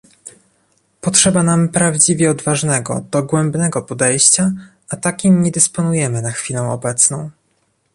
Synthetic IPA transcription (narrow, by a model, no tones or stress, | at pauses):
pɔtʂɛbanampɾavd͡ʑivʲjɛɔd̪vaʐnɛɡɔ̰d̪ɔɡwɛmbnɛɡɔpɔd̪ɛjɕt͡ɕaʔat̪akʲimɲɛd̪ɘspɔnujɛmɘnaxfʲilɛ̃w̃ɔ̰bɛt̪snɔ̰̃w̃